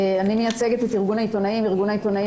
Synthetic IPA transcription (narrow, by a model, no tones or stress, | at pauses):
animejat͡se̞ɡet̪etiʁɡunait̪o̞naimiʁɡunait̪o̞nai